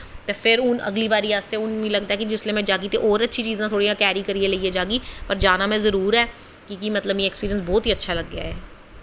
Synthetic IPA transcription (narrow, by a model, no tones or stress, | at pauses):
t̪eːpʰɪɾʊnə̰ɡliːbaːɾiːaːst̪eːʊnĩləɡd̪aɦɛːkid͡ʒɪsleːmɛ̃d͡ʒaːɡit̪eʔɔːɾətːʃʰit͡ʃiːzãt̪ʰoːɽijãːkɛːɾikəɾieləiɛd͡ʒaːɡiːpəɾd͡ʒaːnaːmɛ̃zəɾuːɾɛː | kikimət̪ləbjeːkspiːɾiənsbɔːt̪ɦiːətːʃʰaːləɡːɪa̰ːɦɛː